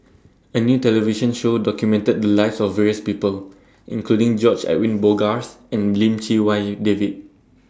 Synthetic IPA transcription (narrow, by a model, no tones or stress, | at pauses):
ənjutɛlɛviʃə̃nʃodɔkjumɛ̃ntəd̚dəlaɪfsɔfːɛɹiəspipəl | ʔĩnkludĩŋd͡ʒɔt͡ʃɛ̰ʔ̚wĩnboɡas | ɛ̃nlĩmt͡ʃiwaɪdevid̚